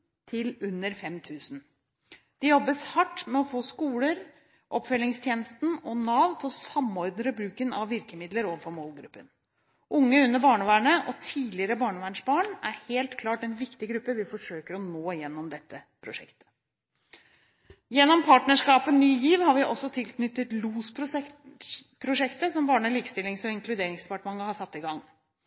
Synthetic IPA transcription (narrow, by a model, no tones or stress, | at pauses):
t̪ʰɪlʉnːəɾfɛmt̪ʰʉːsn̩ | d̪̥ɛjɔbːəshɑʈːmɛɔfoːskuːləɾ | ʔɔpːfœlɪŋst̪ʰjeːnəst̪n̩ɔnɑːʋt̪ʰɪlsɑmːɔɾd̪nɾəbɾʉːkənɑʋʋɪɾkəmɪd̪ləɾoːʋəfɔɾmoːlɡɾʉpːən | ʔʊŋːəʉnːəɾbɑːɳəʋæːɳəʔɔt̪ʰiːlɪəɾəbɑːɳəʋæːɳʂbɑːɳæɾheːlt̪kʰlɑːʈɛnʋɪkt̪ɪɡɾʉpːəʋɪfɔʂøːkəɾɔnoːjɛnːɔmd̪ɛt̪ːə | pʰɾʊʂɛ̰kt̪ə̥ | jɛnːɔmpʰɑːʈnəʂkɑːpənːyːjiːʋhɑɾʋɪʔɔsːɔt̪ʰɪlknʏt̪ːət̪luːspʰ | pʰɾʊʂɛkt̪əsɔmbɑːɳəɭiːkst̪ɪlːɪŋsɔɪŋklʉd̪eːɾɪŋsd̪ɛpɑʈmɑŋːəhɑsɑt̪ːɪɡɑŋː